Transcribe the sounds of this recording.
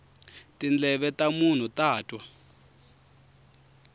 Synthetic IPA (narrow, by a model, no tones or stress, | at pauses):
tind͡ɮɛɓɛtamun̤utaːtʼwa